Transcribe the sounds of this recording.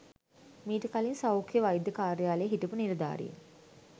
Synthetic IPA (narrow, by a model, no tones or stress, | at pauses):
miːʈəkalinsawkʰjəʋajd̪ːəkaːɾjaːlejɦiʈəpuniɾəd̪a̰ːɾḭḛ